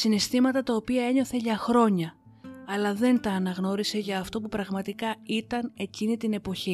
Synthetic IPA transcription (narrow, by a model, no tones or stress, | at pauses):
sinest̪imɐt̪ɐt̪ɐo̞piɐe̞ɲo̞θe̞ʝɐxɾo̞ɲɐ | ɐlɐðe̞nt̪ɐːnɐɣno̞ɾise̞ʝɐːft̪o̞pupɾɐɣmɐt̪ikɐit̪ɐne̞cinit̪ine̞po̞çi